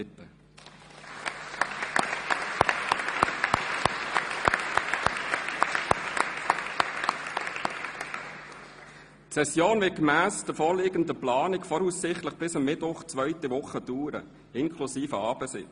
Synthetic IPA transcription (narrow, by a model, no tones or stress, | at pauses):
ɪtə | tsɛsjoːnvɪt̚kmæːsd̥əfɔːɾliːɡənd̪əplɑːnɪkfɔɾusːɪχt̪ləχb̥ɪsəmːɪtvʊχt͡svœʏtiʋʊχəduːɾə̰ | ɪnkʰlusiːfəɑːb̥əsɪ̰